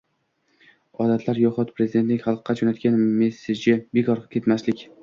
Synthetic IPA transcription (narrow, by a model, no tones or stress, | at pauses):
ɒd̪at̪ʰlaɾjɒqɒt̪pʰɾe̞zid̪e̞nt̪nɪkʲχɑlˠqːɑd͡ʒonat̪kʲanme̞sed͡ʒɪbekʰɒɾqɨ̥kʲʰe̞t̪maslɪkʲ